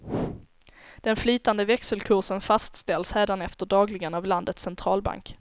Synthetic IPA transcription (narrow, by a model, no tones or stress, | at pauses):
d̪̥ɛnflyːt̪and̪əvɛksəlkʰʊʂənfast̪st̪ɛlsɾeːd̪anɛft̪əɖɑːɡlɪɡanavland̪ət̪sɛnt̪ʰɾɑːlba̰ŋk